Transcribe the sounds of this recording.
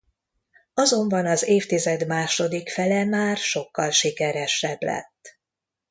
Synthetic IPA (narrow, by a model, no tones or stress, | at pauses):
ɒzo̞mbɒnɒzeːft̪izɛd̪maːʃo̞d̪ikfɛlɛmaːrʃo̞kːɒlʃikɛɾɛʃɛblɛ̰t̪ː